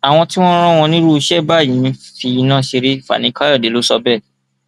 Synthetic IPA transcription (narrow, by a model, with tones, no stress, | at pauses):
a˨w̃ɔ̃˧ti˦w̃ɔ̃˦ɾ̃ã˦w̃ɔ̃˧nĩ˦ɾu˦˧ʃɛ˦˨ba˦˨jĩ˨˦˧fi˧i˧nã˦ʃe˧ɾe˦fa̰˨nĩ˨˦ka˦jɔ˦˨de˨˦lo˨˦sɔ˧bɛ˦˨